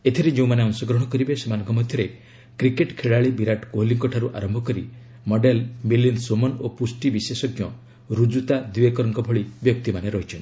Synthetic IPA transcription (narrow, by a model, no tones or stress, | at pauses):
et̪ʰiɾed͡ʒẽũmaneɔnsɔɡɾɔɦɽ̃ɔkɔɾibesemanɔ̃ŋkʰɔmɔd̪ʱjɔɾe | kɾikeʈkʰeɭaɭibiɾaʈkoɦliŋkɔʈʰaɾuʔa̰ɾɔmbʱɔkɔɾi | mɔɖelmilinsomɔnopusʈibisesɔɡjɔ | ɾud͡ʒut̪ad̪iekɔɾɔŋkɔbʱɔɭibjɔk̚t̪imaneɾɔɦit͡ʃʰɔn